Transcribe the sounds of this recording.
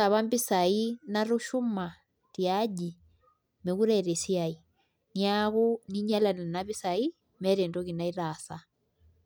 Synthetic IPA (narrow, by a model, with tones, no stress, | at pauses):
a˨βa˦mbi˦sa˨i˦naɾu˦ʃu˦ma˨ | tjaʄi | me˨ɣu˦ɾɛɾɛ˨sia˨i˨ | niaɣuni˦ɲa˦la˨na˨naβi˦sai | mɛ˦ɾɛ˨ndɔ˦ɣi˨na˦i˦ɾa˨sa